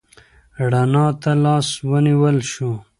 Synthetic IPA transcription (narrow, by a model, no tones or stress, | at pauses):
ɽanɑːt̪alɑːswəniwəlʃu